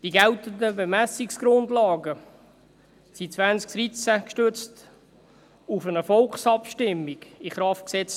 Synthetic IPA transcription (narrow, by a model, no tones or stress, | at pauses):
d̥iɡɛlt̪əndəbəmæsiksɡ̥ɾʊndlɑːɡə | sit͡svænsk̚d̥ɾit͡sækʃtøt͡st | ufənəfɔlkχsɑpʃtɪmːiɡ̥iχɾɑftksɛt͡s